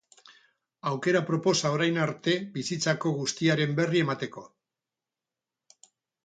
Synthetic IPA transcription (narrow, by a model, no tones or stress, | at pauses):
awke̞ɾapɾo̞po̞sao̞ɾajnaɾt̪e̞bisit͡sako̞ɣust̪iaɾe̞mbe̞rie̞mat̪e̞ko̞